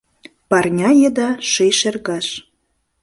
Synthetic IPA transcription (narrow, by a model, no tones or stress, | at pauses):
pɑrnʲɑjĕd̪ɑʃejʃerɣɑʃ